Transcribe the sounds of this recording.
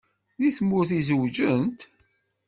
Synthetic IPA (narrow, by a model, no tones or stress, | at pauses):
ðiθmːʊɾθizəwd͡ʒənt̪